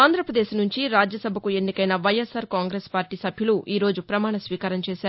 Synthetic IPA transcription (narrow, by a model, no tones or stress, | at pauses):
aːnd̪ɾɐpɾɐd̪eːʃnuɲt͡ʃiɾaːd͡ʒjɐsɐbʱɐkue̞nːikɐjnɐʋɐjesaːɾkaːŋɡɾeːspaːɾʈiːsɐbʱjuluʔiːɾo̞ːd͡ʒupɾɐmaːɳɐsʋiːkaːɾɐɲt͡ʃeːʃaːɾu